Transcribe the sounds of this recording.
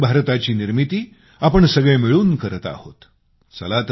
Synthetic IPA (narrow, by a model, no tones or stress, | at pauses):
bʱaɾt̪at͡ɕiːniɾmit̪iː | apəɳsəɡɭemiɭuːnkəɾət̪a̰ho̰t̪ | sə̰lat̪